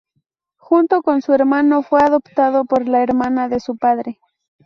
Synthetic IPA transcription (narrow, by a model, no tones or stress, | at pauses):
xunt̪okonsueɾmanofweaðopt̪aðopoɾlaeɾmanaðe̞supaðɾe